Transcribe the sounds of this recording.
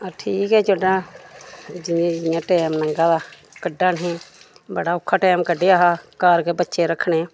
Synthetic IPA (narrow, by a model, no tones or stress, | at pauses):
aːʈʰiːkɦɛːd͡ʒoɖãː | d͡ʒɪẽd͡ʒɪjãːʈɛːmnəŋɡaːd̪aː | kəɖaːnɦẽː | bəɽaːʊkʰːaːʈɛːmkəɖeːaːɦaːkaːɾkeːbətːʃeːɾəkʰɽ̃eː